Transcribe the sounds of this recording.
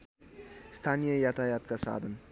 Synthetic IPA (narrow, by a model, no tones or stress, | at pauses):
st̪ʰanʲijajat̪ajɑt̪̚kasa̰ːd̪ən